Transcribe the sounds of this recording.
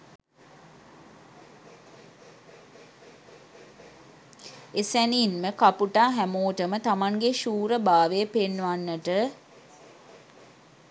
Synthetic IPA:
esæniːnməkapuʈaːɦæmoːʈəmət̪amaŋɡeʃuːɾəbaːʋeəpenːʋanːəʈə

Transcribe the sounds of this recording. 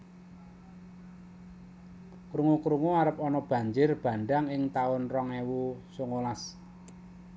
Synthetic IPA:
kɾuŋukɾuŋuaɾəpɔnɔb̥ä̤ɲd͡ʒɪrb̥a̤nɖaŋɪŋt̪aʊnrɔŋewusoŋolas

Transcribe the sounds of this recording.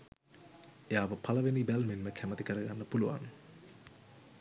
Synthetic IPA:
ejaːʋəpʰaləʋenibælmenməkʰæmət̪ikəɾəɡanːəpuluʋa̰n

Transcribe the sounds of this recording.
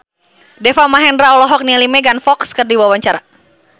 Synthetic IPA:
dɛfamaɦɛndɾaɔlɔɦɔk̚nialimɛɡanfɔkskərdiwawaɲt͡ʃaɾa

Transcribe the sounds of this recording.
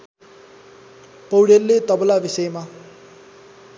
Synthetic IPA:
pʌwɽelːet̪ʌblabisʌjma

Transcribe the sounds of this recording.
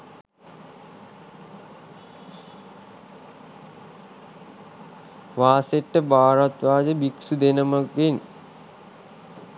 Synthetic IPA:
ʋaːseʈːəbaːɾat̪ʋaːd͡ʒəbiksud̪enəmakʋen

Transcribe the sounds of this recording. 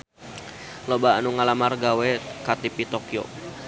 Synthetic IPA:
lobaanuŋalamarɡawɛkat̪ipit̪okio̰

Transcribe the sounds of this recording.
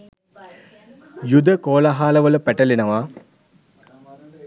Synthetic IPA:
jud̪əkoːlaɦaːləʋələpæʈəlinəʋa

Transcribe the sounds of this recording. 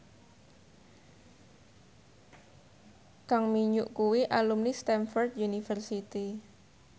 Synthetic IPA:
kaŋmiɲʊʔkuwiʔalumnist̪ɛnfɔrt̪̚junifərsit̪i

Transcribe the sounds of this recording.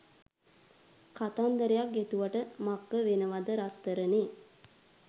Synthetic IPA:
kat̪and̪əɾejak̚ɡet̪uʋaʈəmakːəʋenəʋad̪əɾat̪ːəɾəne

